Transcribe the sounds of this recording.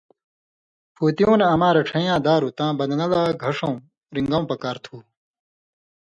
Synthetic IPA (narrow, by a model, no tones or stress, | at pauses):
pʰoːt̪ijõːneɐmãːɾeʈ͡ʂʰɐ̃jãːd̪aːɾut̪ãːbɐd̪ŋɐlaːɡʱɐʂõː | ɾĩŋɡɐ̃w̃pɐkaːɾt̪ʰuː